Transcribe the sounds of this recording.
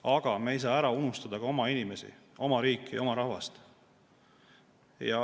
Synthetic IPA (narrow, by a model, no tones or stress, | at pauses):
ɑɡ̥ɑmeejs̬ɑːæɾɑunust̪ɑd̪̥ɑɡ̥ɑo̞mɑinimesḭʔo̞mɑɾiːkːˑio̞mɑɾɑhvɑst̪ | jɑ